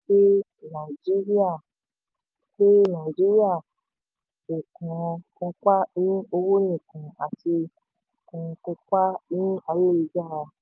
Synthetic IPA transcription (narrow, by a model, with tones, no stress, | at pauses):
ʃe˦ | nã˨i˨d͡ʒi˦ɾi˦a˦˨ | ʃe˦nã˨i˨d͡ʒi˦ɾi˦a˦˨ | o˨kɔ̃˨˧kɔ̃˧k͡pa˦nĩ˦o˧wo˦nĩ˦˨kũ˨a˨ti˧˨ | kũ˨˧kɔ̃˧ka˦nĩ˦a˧jo˦˨i˧d͡ʒa˦˨ɾa˧